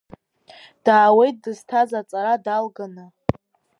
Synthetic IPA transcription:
d̥aːwe̞jt̚dɨz̥tʰazat͡sʼaɾadalɡanɨ

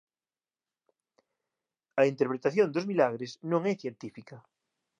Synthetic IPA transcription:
ɐint̪eɾpɾet̪aθjõnd̪ozmilaɣ̞ɾesnõŋɛθjent̪ifika

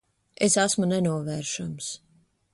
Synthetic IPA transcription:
esasmunɛnuɔvɛːɾʃams

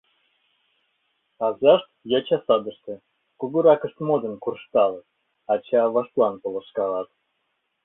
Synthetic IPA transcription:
ɑzɑʃt̪̚jɑt͡ɕɑsɑd̪ə̆ʃt̪ɤ̆ | kuɡuɾɑkə̆ʃt̪mod̪ə̆nkurʂt̪ɑlɤ | ɑt͡ɕeɑvɑʃt̪lˠɑnpŏlˠɤ̆ʃkɑlɑt̪

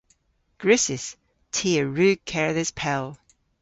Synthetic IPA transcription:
ɡ̥ɹʉsɪs | tʰiəɹʉːkʰɛɹəðɪspʰɛlˠ

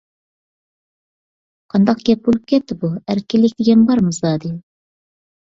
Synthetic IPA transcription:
qʰɑnd̪ɑqɡʲɛp̚bølˠɪp̚kʲɛt̪ːɪbuæɾkʲɪlːɪk̚ʲd̪ɪɡʲɛnbɑɾmɨzd̪ɑd̪ɪ

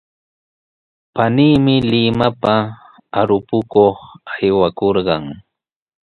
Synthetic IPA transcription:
paniːmɪlɪmapa | aɾʊpʊkoχajwakoɾɢɑŋ

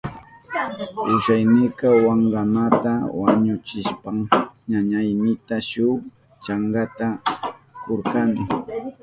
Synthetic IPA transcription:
ʊʃajnɪjkɑwaɴɢanat̪awaɲʊt͡ʃɪʃpaŋɲaɲajnɪt̪aʃʊ | t͡ʃaŋɡat̪a | koɾkanɪ

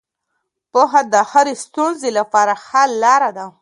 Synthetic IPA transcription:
poɦad̪əxɪɾest̪unzelapɑɾaxallːɑɾad̪a

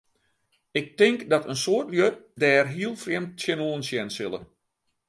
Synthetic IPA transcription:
ɪk̚tɪŋkdɔtənsoətljøt̚dɛːrɦiəlˠfrjɛmtsjɛnoːənsjɛnsɪlˠə̰

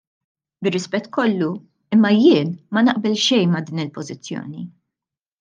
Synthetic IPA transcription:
bɪrːɪspɛt̪ːkɔlːu | ɪmːɐjɪːnmɐnɐʔbɛlʃɛjnmɐd̪iːnɪlpɔzɪt͡sːjɔ̰ːni

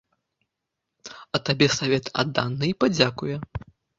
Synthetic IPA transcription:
ɐt̪abʲɛsavʲɛt̪a̰d̪ːa̰nːɨipad͡zʲakujɛ

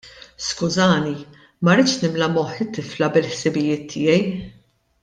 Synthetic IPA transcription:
skʊzɐːni | mɐɾɪt͡ʃnɪmlɐmɔħɪt̪ːɪflɐbɪlħsɪbɪjɪːt̪ʰːɪːjɛj

